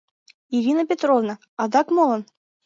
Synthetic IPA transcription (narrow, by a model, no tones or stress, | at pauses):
iɾʲinəpʲet̪rovnə | ɑd̪ɑkmolˠɤ̆n